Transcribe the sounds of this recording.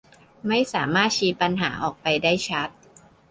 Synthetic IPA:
ma˥˩jsaː˩˦maː˥˩t̪̚t͡ɕʰiː˦˥t̪̚pa˧nɦaː˩˦ʔɔː˨˩k̚pa˧jdaː˥˩jt͡ɕʰa˦˥t̪̚

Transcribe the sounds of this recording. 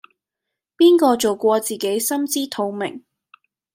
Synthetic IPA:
piː˥nkɔː˧t͡so˨wkʷɔː˧t͡siː˨˩ke˨˥jsɐ˥mt͡siː˥t̪ʰo˨˧wmɪ̰˨˩ŋ

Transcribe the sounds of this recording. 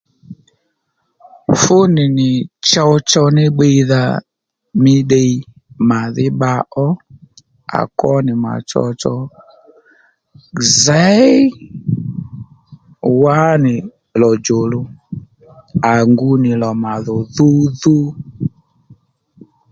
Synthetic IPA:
fʊ˦nɪ˨nɪ˨t͡ʃa˧wt͡ʃɔ˧nɪ˦ɓe˧˦ða˧ | mɪ˦ɗe˦˧i˦ | ma˨ðɪ˦ɓa˧˦ʔɔ˦ | a̰˨kɔ˦nɪ˨ma̰˨t͡ʃɔ̰˧t͡ʃɔ˧˨ | za˦j | wa˦nɪ˨ | lɔ˨d͡ʒo˨lʊ˨ | a˨ŋɡu˧˦nɪ˨lɔ˨ma˨ðɔ˨ðu˦ðu˦

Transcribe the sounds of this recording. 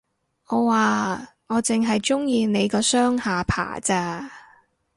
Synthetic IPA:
ɔː˨˧waː˨˧ŋɔː˨˧t͡sɪ˨ŋɦɐ˨jt͡ʃʊ˥ŋjiː˨˧ne˨˧jkɔː˧sœː˥ŋhaː˨˧pʰa̰ː˨˩t͡saː˧

